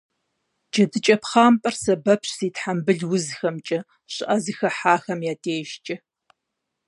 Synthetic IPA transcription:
d͡ʒɐdɨt͡ʃʼɐpχaːmpʼɐrsɐbɐpʰɕsiːtħambɨɮwʊzxɐmt͡ʃʼɐ | ɕʼɪʔɐzɨxɐħaːxɐmjaːtʰeːʒt͡ʃʼɪ

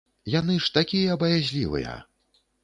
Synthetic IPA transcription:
janɨʂt̪akʲijɐbɐjazʲlʲivɨ̰jɐ̰

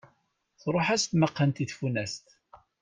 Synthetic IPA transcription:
θɾˤoħæst̪məqːənt̪iθfunæst̪

